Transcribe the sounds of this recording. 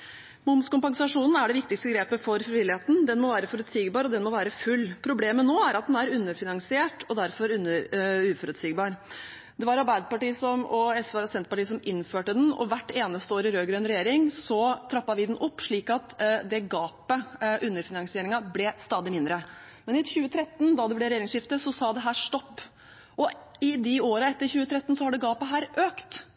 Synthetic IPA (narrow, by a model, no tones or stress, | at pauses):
mʊmskʊmpɑŋsɑʂuːnn̩æɖɛʋɪk̚t̪ɪkst̪əɡɾeːpəfɔɾfɾɪʋɪlːɪheːt̪n̩d̪ɛnmɔʋæːɾəfɔɾʉt̪siːɡbɑːɾɔd̪ɛnmɔʋæːɾəfʉlːpʰɾʊbleːmənoːæɾɑt̪̚d̪ɛnæɾʉnːəɾfɪnɑŋsɪeːʈɔd̪æɾfɔɾʉnːəɾʉːfɔɾʉt̪siːɡbɑːɾ | d̪ɛʋɑɾɑɾbæɪd̪əpɑʈiːsɔmɔɛsʋæɾɔsɛnəpɑʈiːsɔmɪnføːʈəd̪nɔ̰ʋæʈːeːnəst̪əoːɾɪɾøːɡɾœnɾɛjeːɾɪŋsɔt̪ʰɾɑpːɑʋɪd̪nʔʊpːʂɭiːkɑt̪d̪ɛɡɑːpəʔʉnːəɾfɪnɑŋsɪeːɾɪŋɑblɛst̪ɑːd̪ɪmɪnd̪ɾə | mɛnɪçʉːət̪ʰɾɛt̪ːnd̪ɑd̪ɛblɛɾɛjeːɾɪŋsʂɪft̪əsɔsɑːd̪ɛɦæːʂt̪ɔpː | ʔɔɪd̪ɪoːɾɑɛt̪ːəɾçʉːət̪ʰɾɛt̪ːnsɔhɑɖɛɡɑːpəɦæːɾʔøːkt̪